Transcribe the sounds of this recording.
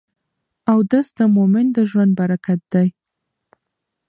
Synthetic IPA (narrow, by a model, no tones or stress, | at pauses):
awd̪əsd̪amomɪnd̪əʒwand̪̚baɾakat̪̚d̪̥aj